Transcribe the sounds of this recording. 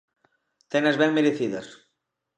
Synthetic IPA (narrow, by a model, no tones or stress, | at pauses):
t̪ɛnɐzβɛŋmeɾeθiðɐs